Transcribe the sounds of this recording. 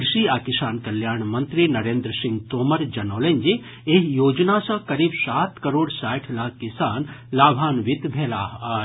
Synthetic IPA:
ɾʃiaːkɪsaːnkɐljaːɾɳ̃mɐ̃nt̪ɾinɐɾẽːnd̪ɾəsɪ̃ŋɡ̚t̪oːməɾd͡ʒɐnoːleɲd͡ʒe | eɦjoːd͡ʒnasɐ̃kɐɾiːbsaːt̪kɐɾoːɽsaːʈʰlaːkkːɪsaːnlaːbʱaːnʋɪt̪bʱɛːlaːɦa

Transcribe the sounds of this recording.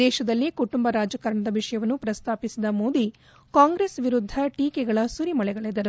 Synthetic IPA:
d̪ɛːʃɐd̪ɐlːikuʈumbɐɾaːd͡ʒɐkɐɾɐɳɐd̪ɐʋiʂɐjɐʋɐnːupɾɐst̪ʰaːpisid̪ɐmoːd̪i | kaːŋɡɾeːsʋiɾud̪ʱːɐʈiːkɛɡɐɭɐsuɾimɐɭɛɡɐɭed̪ɐɾu

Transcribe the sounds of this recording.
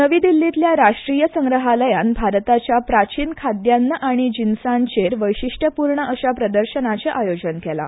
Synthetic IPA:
nəʋiːd̪ilːit̪ljaɾaʂʈɾijəsəŋɡɾəɦaləjanbʱaɾt̪at͡ɕjapɾat͡ɕiːnkʰad̪janːəʔaɽ̃id͡ʑinsãnt͡ɕeɾʋəjɕiʂʈʰəpuɾɳəʔəɕapɾəd̪əɾɕənat͡ɕeʔajod͡ʑənkɛla̰

